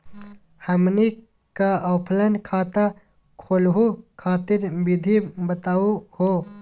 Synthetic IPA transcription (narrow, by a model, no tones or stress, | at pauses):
həmni | kaəwpʰlənkʰaːt̪a | kʰoːlɦukʰaːt̪ɪɾbɪd̪ʱibət̪aːuhoː